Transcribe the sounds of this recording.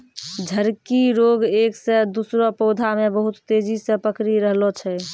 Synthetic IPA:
d͡ʒʱəɾkiɾoɡeksẽd̪usɾɔpɔʊd̪ʱamebəɦut̪ːed͡ʒisəpəkɾiɾəɦlɔt͡ʃʰɛ

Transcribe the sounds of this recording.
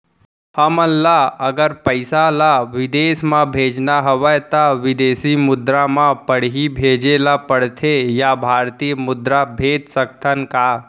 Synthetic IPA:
həmənlaəɡəɾpəɪsalaʋɪd̪eːsmãbʱeːd͡ʒnaɦəʋəjt̪aʋɪd̪eːsimʊd̪ɾamãpəɽ̤ɦibʱeːd͡ʒelapəɽ̤t̪ʰejabʱaːɾt̪ijmʊd̪ɾabʱeːd̪sək̚t̪ʰənkaː

